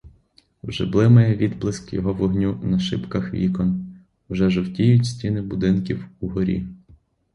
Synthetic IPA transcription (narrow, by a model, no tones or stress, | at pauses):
ʒɪ̰blˠɪmɐjɛʋʲid̪blˠɪskjɔ̰ɦɔʋɔɦnʲunɐʃɪ̰pkɐxʋʲḭkɔn | wʒɛʒɔwtʲijʊtʲsʲtʲinɪbʊd̪ɪnkʲiwuɦɔɾʲḭ